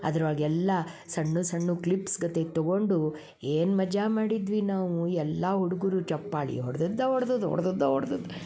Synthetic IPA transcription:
ɐ̰d̪ɐɾaːɡɛlːɐsɐɳːusɐɳːuklipsɡɐt̪et̪ɔɡoɳɖu | eːnmɐd͡ʒamaːɽid̪ʋinaːʋuɛlːaɦuɽuɡuɾut͡ʃɐpːaːɭḭɦɔɽɐd̪ɔd̪ːɐɦɔɽɐd̪od̪uɦɔ̰ɽɐd̪ɔd̪ːɐɦɔɽd̪od̪u

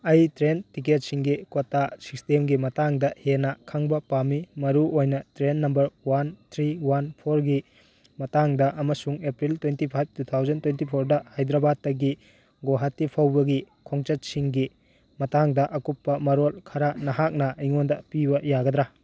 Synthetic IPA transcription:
ɐjtɾentiket̚siŋɡikotːasi̥stemɡimɐtaŋdɐhenɐkʰaŋbɐpamimɐɾuojnɐtɾenːɐmbɐɾwant̪ʰɾiwanpʰoɾɡi | mɐtaŋdɐʔɐmɐsuŋepɾiltwentipʰajp̚tut̪ʰawzɐntwentipʰoɾdɐhajd̪ɾɐbad̚ːɐɡi | ɡoɦatːipʰawbɐɡi | kʰoŋt͡ʃɐt̚siŋɡi | mɐtaŋdɐʔɐkupːɐmɐɾolkʰɐɾanɐɦak̚nɐiŋondɐpibɐjaɡɐd̪ɾa

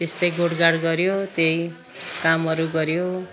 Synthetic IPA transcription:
t̪est̪ʌjɡoɽɡaɽɡʌɾjot̪jej | kamʌɾuɡʌɾjo

